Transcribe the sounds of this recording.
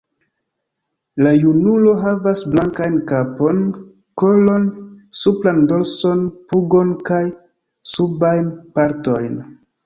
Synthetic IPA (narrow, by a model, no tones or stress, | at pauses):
lajunulo̞ɦavasblaŋkajnkapo̞n | ko̞lo̞nsuplando̞lso̞npuɡo̞nkaj | subajnpaɾto̞jn